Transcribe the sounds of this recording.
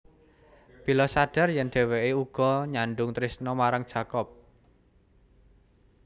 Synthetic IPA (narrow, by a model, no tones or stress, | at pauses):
pilɔsaɖ̥a̤rjɛnɖ̥ɛ̤weeuɡ̥ɔ̤ɲaɳɖʊŋt̪ɾisnɔmaɾaŋdʒ̥ä̤kɔp̚